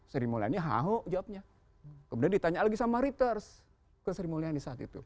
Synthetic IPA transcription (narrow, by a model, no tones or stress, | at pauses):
səɾimolia̰nɲaɦa̰ɦoʔd͡ʒawap̚ɲa | kəmbudandit̪aɲalaɡisamaɾit̪ərs | kəsəɾimoliandisaːt̪ḭt̪ṵ